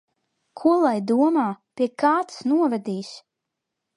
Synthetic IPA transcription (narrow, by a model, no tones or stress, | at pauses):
kʰuɔlˠajd̪uɔmaːpʲiɛkaːt̪snuɔvɛd̪iːs